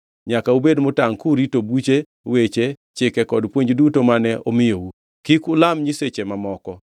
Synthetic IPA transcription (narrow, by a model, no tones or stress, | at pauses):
ɲakaubedmʊtaŋkuɾitobut͡ʃe | wet͡ʃe | t͡ʃɪkɛkɔdpwoɲd͡ʒdutomanɛʔɔmɪjou | kikʊlamɲiset͡ʃemamɔkɔ